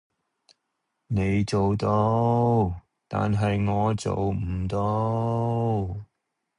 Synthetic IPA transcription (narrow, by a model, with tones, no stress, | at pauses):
ne˨˧jt͡so˨wt̪o˥w | t̪a̰ː˨nɦɐ˨jŋɔː˨˧t͡so̰˨wm̩˨˩t̪o˧